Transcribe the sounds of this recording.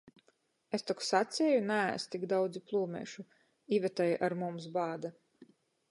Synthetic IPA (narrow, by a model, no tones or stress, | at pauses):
est̪ɔksat̪sʲɛjunææ̰st̪iɡd̪awd̪ziplˠuːmʲɛ̰ːʃu | ivʲɛt̪ajʔaɾmums̬baːd̪a